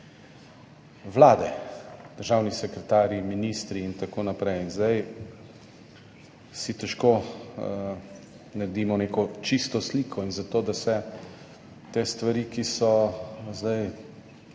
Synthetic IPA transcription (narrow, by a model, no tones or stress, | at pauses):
ʋlaːd̪ɛd̪̥əɾʒaːwnisɛkɾɛt̪aːɾiminist̪ɾiːnt̪akoːnapɾɛjinzd̪aj | sit̪ɛʃkoː | naɾd̪iːmɔneːkɔt͡ʃist̪ɔsliːkʰɔinzat̪oːd̪asɛ | t̪eːst̪ʋaɾiːkisɔzd̪aj